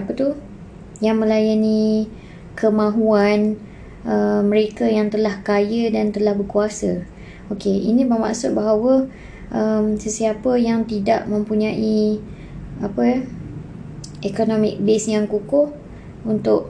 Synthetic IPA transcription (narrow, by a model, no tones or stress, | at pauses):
apət̪u | jaŋmə̃lajani | kəmãɦuan | əmə̃ɾekajaŋt̪əlahkajədant̪əlahbəkuasə | okeḭnĩbərma̰ʔsʊt̪̚baɦawə | ʔəmsəsiapəjaŋt̪idaʔmə̃mpuɲãʔi | apə | ekonomɪk̚besjaŋkukʊh | unt̪ʊʔ